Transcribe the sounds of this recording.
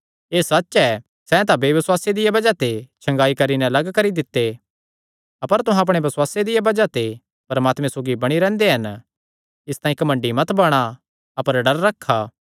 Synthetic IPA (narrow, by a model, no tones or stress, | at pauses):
eːsɐtːʃɛ | sɛt̪̬abeʋɪswaːsed̪ɪjabɐd͡ʒat̪et͡ʃʰɐ̃ŋɡaːikɐɾinɛɐlɐɡkɐɾid̪ɪt̪ːe | ɐpəɾt̪ʊɦãɐp̬ɽ̃ebɐswaːsed̪ɪjabɐd͡ʒat̪e | pɐɾmaːt̪mɛ̃ẽsoːɡibɐɽ̃iɾɛ̃ːnd̪eɦɐn | ɪst̪aːĩkɐmə̃ɳɖimɐt̪bɐɽ̃a | ɐpəɾɖɐɾːɐkʰːaː